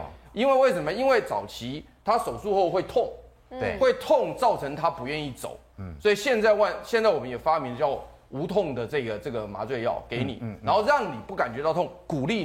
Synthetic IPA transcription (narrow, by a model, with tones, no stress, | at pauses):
i˦˥nwe˥˧ɪwe˥˩ɪsə˧˥mə˧i˥nwe˥˩ɪt͡sɑ˨˩ʊt͡ɕʰi˧˦˥ | t̪ʰa˦˥so˨˩ʊsu˥˧xo˥˧xwe˥˧ɪt̪ʰʊ˥˩ŋ˧ | xwe˥˧ɪt̪ʰʊ˥˨ŋt͡sɑ˥˩ʊt͡sʰɤ˧˥ŋt̪ʰa˥pu˧˥ɥɛ˥˧ni˥˩t͡so̰˨˩˦ʊswɔ˧˥i˨˩ɕjɛ˥˧nt͡sa˥˧ɪwa˥˧nɕjɛ˥˧nt͡sa˥˩wɔ˨˩mə˦jɛ˨˩fa˥mi˧ŋə˧t͡ɕjɑ˥˩ʊ | u˧˥t̪ʰʊ˥˩ŋd̪ə˩t͡sɤ˥˩ɡə˩t͡sɤ˥˩ɡə˩ma̰˧˥t͡swe˥˧ɪjɑ̰˥˩ʊke˧˦ɪnḭ˨˩na˧˥nxo˥˧ʊɻɑ˥˩ŋni˨˩pu˥˩ka˨˩nt͡ɕɥɛ˧˥t̪ɑ˥˧ʊt̪ʰʊ˥˩ŋku˨˩li˥˨